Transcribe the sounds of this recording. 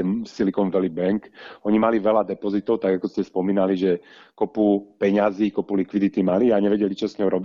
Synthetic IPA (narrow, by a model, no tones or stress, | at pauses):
ɛnsilikɔnʋɛlibɛŋkɔɲimaliʋɛlad̪ɛpɔzit̪ɔʊt̪aɡakɔscɛspɔmiːnaliʒɛ | kɔpupɛɲaziːkɔpulikʋid̪it̪imaliaɲɛʋɛɟɛlit͡ʃɔsɲɔɦɔɾɔbi